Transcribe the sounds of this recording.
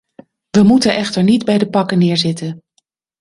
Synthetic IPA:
ʋəmutənʔɛχtəɹnidbɛjdəpɑkənɪːɹzɪtən

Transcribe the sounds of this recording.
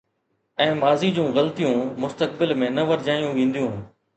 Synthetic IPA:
ɛ̃ːmaːziːd͡ʑũːɣəlt̪ijũːmʊst̪ək̚bɪlmẽːnɐʋəɾd͡ʑaːjũːʋẽːn̆d̪ijũː

